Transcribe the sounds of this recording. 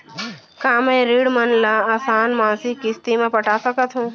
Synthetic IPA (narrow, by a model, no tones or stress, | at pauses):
kãːmẽɾiːɽmənlaːaːsaːnmãːsikːɪst̪imẽpəʈaːsəkət̪ɦũː